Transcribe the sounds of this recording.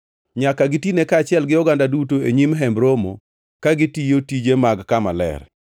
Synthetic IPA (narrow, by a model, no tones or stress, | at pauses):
ɲakaɡɪtinekaːt͡ʃɪɛlɡɪɔɡandadutoeɲimɦɛmbɾomo̰ | kaɡɪtijotid͡ʒemaɡkama̰lɛ̰r